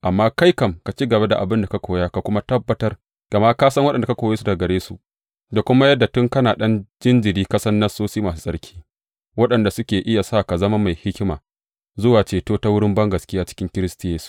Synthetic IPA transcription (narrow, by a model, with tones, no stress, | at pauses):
ʔa˨mːaː˦ka˦jkɐ˨mka˨t͡ʃi˦ɡɐ˨be˦da˨ʔa̰˨bɪ˦nda˨ka˦kʷoː˨ja˦ka˨kʷʊ˦ma˦tɐ˦bːɐ˨tɐ˦r | ɡ̥ɐ˨ma˦kaː˦sɐ˦ŋwɐ˦ɗɐ˨da˨ka˦kʷoː˨jeː˦su˦da˨ɡɐ˨ɽeː˦sṵ˦ | da˨kʷʊ˦ma˦jɐ˦dːa˨tʊ˦ŋkɐ˦naː˨ɗɐ˦nd͡ʒɪ˦nd͡ʒɪ˨ɾiː˦kɐ˦sɐ˦nːɐ˦soː˦siː˦maː˨s̬u˦sʼɐ˦ɽkʲʰi̥ː˦ | wɐ˦ɗɐ˨nda˨sʊ˦kʲeː˨ʔɪ˦ja˨sa˦˨ka˨zɐ˦ma˦ma˨jhɪ˦kʲɪ˦ma̰ː˨ | zʊ˦waː˨t͡ʃeː˨toː˦ta˦wʊ˦ɽɪ˦mbɐ˦ŋɡɐ˨skʲɪ˦jaː˦t͡ʃɪ̥˦kʲɪ˦ŋkʲɪ˦ɾɪ˦sti˨˦jeː˦su̥˦